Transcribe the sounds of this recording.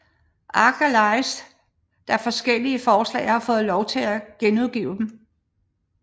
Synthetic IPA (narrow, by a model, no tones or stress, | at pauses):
ʔɑ̈ɡ̥ʰælɑ̈ɪs | d̥ɑfɒ̽sɡ̥el̰iəfɒːslɛ̰ɪhɑ̈fɔ̽ːð̩ˠlɒʊt͡sʰe̝læɡ̥enuðˠɡ̥ḭːʊd̥em